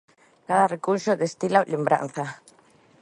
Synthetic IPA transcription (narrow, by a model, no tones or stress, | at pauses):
kaðarekunʃod̪est̪ilawlembɾa̰n̟θa